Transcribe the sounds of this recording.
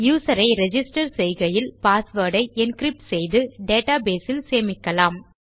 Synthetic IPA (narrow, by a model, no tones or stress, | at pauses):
juːsɐɾɐɪɾɛd͡ʒɪsʈɐɾsɛjɣɐjɪlpaːsʋɐːɾɽɐɪʔɪnkɾɪp̚ʈsɛjðɯɖeːʈaːbeːsɪlseːmɪkːɐlaːm